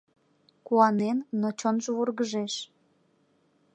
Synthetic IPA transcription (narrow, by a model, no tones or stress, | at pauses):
kuɑnenːot͡ɕonʒəvurɣəʒeʃ